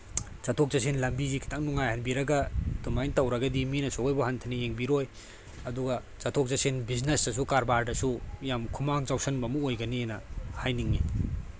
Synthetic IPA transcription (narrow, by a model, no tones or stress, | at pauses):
t͡ʃatʰok̚zɐsenlɐmbizikʰi̥tʰaŋnuŋajhanbiɾɐɡɐdumajntawɾɐɡɐdiminɐsʰoojbɐhantʰɐnijeŋbiɾoj | ɐduɡɐ | t͡ʃatʰok̚zɐsenbiznesɐs̬ukaɾbaɾdɐsujamkʰumaŋzawsʰɐnbɐmuojɡɐnienɐhajniŋːi